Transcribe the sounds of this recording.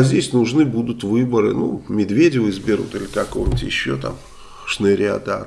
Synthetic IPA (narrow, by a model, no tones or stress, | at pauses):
zʲdʲesʲnʊʐnɨbud̪ʊt̪vɨbəɾɨ̰numʲɪd̪vʲedʲɪvəɪzbʲɪɾṵt̪ɨlʲɪkɐkovnʲɪtʲjɪɕːot̪a̰m | ʂnɨɾʲa̰d̪a̰